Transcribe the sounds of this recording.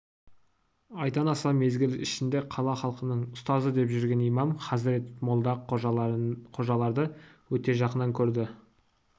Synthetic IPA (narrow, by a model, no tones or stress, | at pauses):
ɑjt̪ɑnɑsɑme̞zɡʲɪlɪ̰ʃɪnd̪e̞qʰɑlˠɑχɑlˠqənəɴʊst̪ɑzəd̪e̞pʒʏɾɡʲe̞nijmɑmχɑzɾet̪molˠd̪ɑ | qʰo̞ʒɑlˠɑɾd̪əwɵt̪e̞ʒɑqənɑŋkʲʰɵɾd̪ɪ